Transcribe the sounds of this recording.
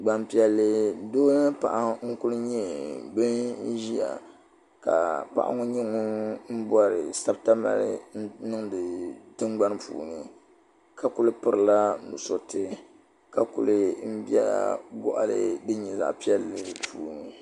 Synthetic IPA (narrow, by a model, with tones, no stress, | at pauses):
ɡ͡ba˦npi˦ɛ˦lːɨ˦doː˦nɨ˦pa̰˨ʔa˦ŋ̩˦ku˦lɨ˦ɲɛ˦bɨ˦n˦ʒi˦ja̰˨ | ka̰˨pa̰˨ʔa̰˦ŋʊ˦ɲɛ˦ŋo˦m̩˦bɔ˦ɾɨ˨sa˦bta˦ma̰˨ɾɨ̰˦n˦nɨ˦ŋdɨ˨tɨ˦ɡ͡ba˦npṵː˨nɨ˨ | ka˨ku˨lɨ˦pɨ˦ɾɨ˨la˦nṵ˨so˨tɨ˦ | ka˨kṵ˨lɨ˦m̩˦bi˦ɛ̰˦bʊ̰˦ʔa̰˨lɨ̰˦dɨ˦ɲi˨za̰˨ʔpi˦ɛ˦lːɨ˦pʰuː˨nɨ˨